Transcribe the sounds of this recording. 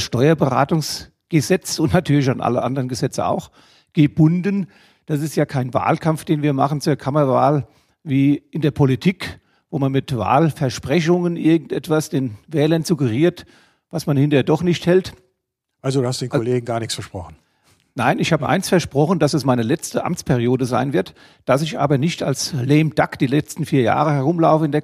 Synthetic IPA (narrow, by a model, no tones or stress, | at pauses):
sʃtɔʏɐbəʁa̰ːtʊŋs | ɡ̥əzɛt͡sʊntnatʰyːɐlɪç̬anʔa̰lə̰ʔa̰ndəʁənɡəzɛt͡səa̰ʊx | ɡ̥əb̥ʊndən | d̥asɪstjaːkʰaɪnva̰ːlkʰamfd̥eːnviːɐma̰χn̩t͡suːɐkʰamɐva̰ːl | viːʔɪndeːɐpʰolitʰiːk | voːmanmɪtva̰ːlfɛɐʃpʁ̥ɛç̬ʊŋənʔɪɐɡŋ̩tʔɛtv̥asd̥eːnvɛːlɐnzuɡəʁiːɐt | vasmanhɪntəɐdɔχnɪçthɛlt | ʔalzoduːhastdeːnkoleːɡŋ̩ɡaːɐnɪksfɛɐʃpʁ̥ɔχn̩ | naɪnɪçhaːbəʔa̰ɪnsfɛɐʃpʁ̥ɔχən̩d̥asasmaɪnəlɛt͡stəʔa̰mt͡spʰɛʁijoːdəzaɪnvɪɐt | d̥as̬ɪçʔa̰ːbɐnɪçtalslɛːmd̥akd̥iːlɛt͡stn̩fiːɐja̰ːʁəhɛʁʊmlaʊfəɪndeɐ